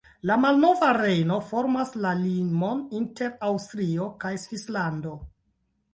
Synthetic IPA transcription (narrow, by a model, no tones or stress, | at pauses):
lamalno̞vaɾe̞jno̞fo̞ɾmaslalimoninte̞ɾawstɾiokajsvislando̞